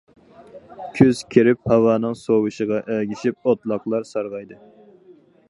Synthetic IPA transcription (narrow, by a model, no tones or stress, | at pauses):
kʲʰyz̥kʲʰiɾɪp̚hɑwɑːnɨŋsowɨʃɨʁɑʔæɡʲiʃip̚ot̪lˠɑqlˠɑɾsɑɾʁɑjd̪ɨ